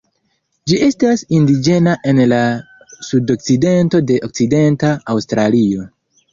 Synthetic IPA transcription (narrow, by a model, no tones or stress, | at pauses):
d͡ʒie̞stasindid͡ʒe̞naʔe̞nla | sudo̞k̚t͡side̞nto̞de̞ʔok̚t͡side̞ntaːwstɾalio̞